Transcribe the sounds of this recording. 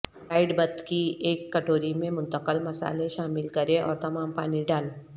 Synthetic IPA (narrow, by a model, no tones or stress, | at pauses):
ɾaːɪɖbɐd̪kieːkːɐʈoːɾimẽmʊ̃nt̪əqəlmɐsa̰ːleʃaːmɪlkɐɾẽʔɔ̰ːɾt̪ɐmaːmpaːniɖaːle